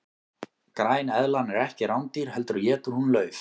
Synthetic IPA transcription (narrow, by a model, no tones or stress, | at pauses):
kɾaːjnɛðlanɛɾɛhcɪɾawnt̪iɾ̥hɛl̪t̪ʏɾɔjɛːt̪ʏɾ̥hunlœːɥf